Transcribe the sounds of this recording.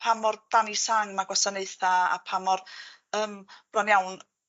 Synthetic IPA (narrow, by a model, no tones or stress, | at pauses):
pʰamɔrd̥anisaŋmaɡwasaneɨθaa̰pʰamɔrəːmb̥rɔnjawn